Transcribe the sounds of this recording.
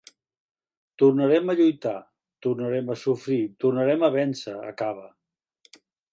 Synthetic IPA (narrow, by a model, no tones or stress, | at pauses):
t̪urnəɾɛməʎujt̪a | t̪urnəɾɛməsufɾit̪urnəɾɛməβɛnsəə̰kaβə